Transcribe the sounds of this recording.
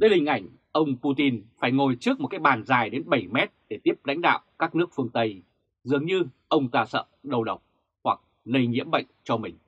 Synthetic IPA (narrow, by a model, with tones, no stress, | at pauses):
ɗəː˨˦jhï˨˩ŋ̟ʔa˧˩jŋ̟ | ʔə˧wŋ͡mpu˧t̪i˧nfaː˧˩jŋo˨˩jt͡ɕɨ˦˥ək̚m˨˩t̚kaː˨˦˥j̚ɓaː˨˩nzaː˨˩jɗe˨˦nɓə˧˩jmɛ˦˥t̚ɗe˧˩t̪i˦˥əp̚la̰˧˥jŋ̟ɗa̰ː˧˨wkaː˦˥k̚nɨ˦˥ək̚fɨ˧əŋt̪ə˧j | zɨ˨˩əŋɲɨ˧ʔə˧wŋ͡mt̪aː˧˩sə̰ː˧˨ɗə˨˩wɗə˨˩wk͡p̚ | hwa˨˩k̚ | lə˧jɲḭ˧˥əmɓə̰˧˨jŋ̟t͡ɕɔ˧mï˨˩ŋ̟